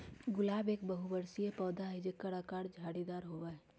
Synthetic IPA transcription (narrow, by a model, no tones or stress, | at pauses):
ɡʊlaːbeːk̚bəɦubəɾsiepɔːd̪aɦid͡ʒekəɽakaːɽd͡ʒʱaːɽid̪aːɾɦoːʋaɛ